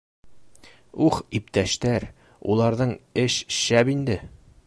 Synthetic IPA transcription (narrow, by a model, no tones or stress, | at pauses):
uχipt̪æʃt̪æɾ | ulˠɑɾðɤɴɘɕɕæbind̪ɘ